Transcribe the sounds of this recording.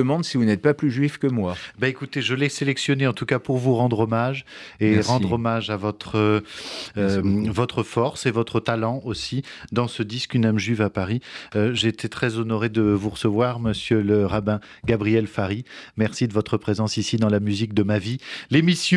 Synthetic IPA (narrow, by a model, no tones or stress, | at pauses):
əmɑ̃d̪sivunɛt̪̚paplyʒɥifkəmwabaekut̪eʒəlɛselɛksjɔneɑ̃t̪ukapuʁvuʁɑ̃d̪ʁɔmaʒeʁɑ̃d̪ʁɔmaʒavɔt̪χə | vɔt̪χəfɔʁsevɔt̪χət̪alɑ̃osid̪ɑ̃səd̪iskynamʒɥivapaʁiøʒeːt̪ʰet̪χɛzɔnɔʁed̪əvuʁəsəvwaʁməsjøləʁabɛ̃ | ɡabʁijɛlfaʁimɛʁsid̪əvɔt̪χəpχezɑ̃sisid̪ɑ̃lamyzik̚d̪əmavilemisj̃